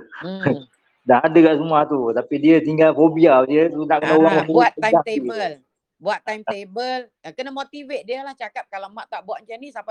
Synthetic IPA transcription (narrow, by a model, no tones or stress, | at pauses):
dahɦadəkaʔsəmuaht̪ut̪apidiət̪iŋɡalfobialdiəunaʔkənauɣaŋabaaiɡat̪ebəl | buaʔt̪ːajmt̪ebəl | kənəmot̪ivet̪̚diəlaht͡ʃakap̚kalamaʔt̪aʔbuaʔt͡ʃanisaba